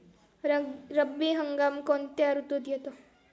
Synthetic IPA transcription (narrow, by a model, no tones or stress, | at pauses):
ɾɐbiɦɐŋɡaːmkoːnt̪eaɾut̪od̪ijet̪o